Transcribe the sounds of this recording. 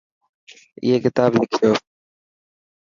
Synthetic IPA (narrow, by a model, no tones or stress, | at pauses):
ɪ̰ɦeːkɪt̪aːblɪkʰijoː